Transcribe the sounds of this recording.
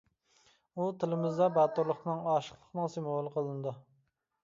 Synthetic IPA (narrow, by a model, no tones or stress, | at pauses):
ut̪ʰɪlɪmɪzd̪ɑbɑt̪uɾlˠəχnɨŋɑːʃə̥χlˠəχnɨŋsɪmolˠəqʰəlˠɨnɨd̪ɨ